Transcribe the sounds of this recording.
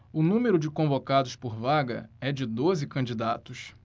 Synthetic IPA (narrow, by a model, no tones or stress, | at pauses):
ʊnũmeɾʊd͡ʒɪkõvokad̪ʊspoɾvaɡɐ̰ɛd͡ʒɪd̪ozɪkɐ̃d͡ʒid̪at̪ʊʃ